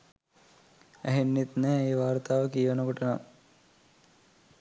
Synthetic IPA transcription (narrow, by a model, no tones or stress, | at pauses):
æ̰ɦenːet̪nɛːeːʋaːrt̪aːʋəkijʋɐnəkuʈəna̰